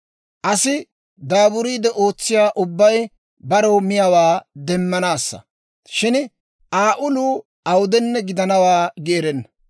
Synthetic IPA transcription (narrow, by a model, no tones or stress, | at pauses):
ʔɐsɪ | d̪aːbʊɾiːd̪ɛʔoːt͡sːɪjaːʔʊbːɐj | bɐɾoːmɪjɐwaːd̪ɛmːɐnaːsːɐ̰ | ʃɪn | ʔaːʔʊluː | ɐwʊd̪ɛnːɛɡɪd̪ɐnɐwaːɡeːɾɛnːɐ